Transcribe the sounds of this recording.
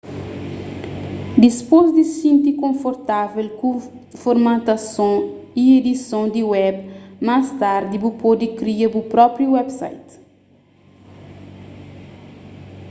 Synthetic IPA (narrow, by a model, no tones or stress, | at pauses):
d̪ispozd̪isĩnt̪ikõfoɾt̪avelku | foɾmãt̪asõied̪isõd̪iwɛbmast̪aɾd̪ibupɔd̪ikɾiɐbupɾɔpɾjuwɛbsa̰jt̪